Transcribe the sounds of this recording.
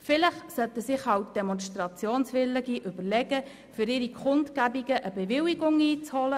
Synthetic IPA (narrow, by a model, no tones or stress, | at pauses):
fɪləχsœt̪əsɪχhɑwt̚d̥ɛmɔnʃt̪ɾɑt͡sjoːnsʋɪləɡiʔyb̥əɾlɛɡ̥ə | fʏɾɪːɾikʰχʊntkæbiɡəʔəbɛʋɪwiɡʊŋiːt͡shɔlə